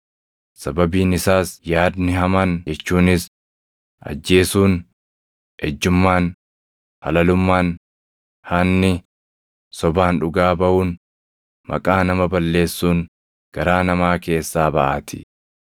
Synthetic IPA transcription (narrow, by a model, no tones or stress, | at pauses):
sɐbɐbiːnɪsaːsjaːd̪nɪhɐmɐnd͡ʒɛt͡ʃːuːnɪs | ʔɐ̰d͡ʒːe̞ːsuːn | hɛd͡ʒːʊmːaːn | hɐ̰lɐlʊmːaːn | hɐnːɪ | sɔbaːnᶑʊɡaːbɐʔuːn | mɐ̰kʼaːnɐmɐbɐlːe̞ːsːuːn | ɡ̥ɐɾaːnɐmaːke̞ːsːaːbɐʔa̰ːt̪ɪ̥